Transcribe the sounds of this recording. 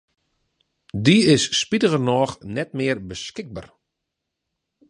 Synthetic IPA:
diɪsːpitəɣərnɔːxnɛtmɪərbəskɪɡ̚ba̰r

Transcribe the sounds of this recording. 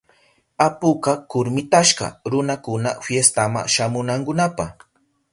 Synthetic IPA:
apʊkakʊɾmɪt̪aʃɢɑ̰ɾʊnakʊna̰fjest̪ama̰ŋʃamʊnaŋkʊnapaχ

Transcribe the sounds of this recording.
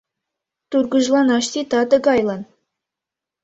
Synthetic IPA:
t̪urɡɤ̆ʒlˠɑnɑʃt̪ʲit̪ɑd̪ɤ̆ɡɑjlˠɑn

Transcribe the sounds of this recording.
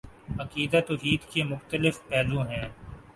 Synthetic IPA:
ɐkiːd̪at̪ʊɦiːd̪kemʊxt̪əlɪfpɛːzũɦɛ̃ː

